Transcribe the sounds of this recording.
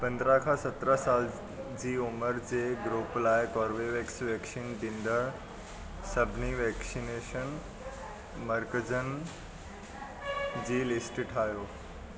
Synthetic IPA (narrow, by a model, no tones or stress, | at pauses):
pə̃nd̪ɾãkʰasət̪ɾəsal | d͡ʑiːuməɾd͡ʑeɡɾuplaekɔɾʋeʋeksʋɛksinɖĩnɖ̪əɾ | səbʱniʋɛksineʃən | məɾkəd͡ʑən | d͡ʑiːlisʈʈʰajoː